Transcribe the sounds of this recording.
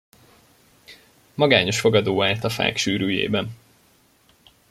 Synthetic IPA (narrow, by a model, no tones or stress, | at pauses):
mɒɡaːɲo̞ʃfo̞ɡɒd̪oːaːlt̪ɒfa̰ːkʃyːɾyːjḛːbɛn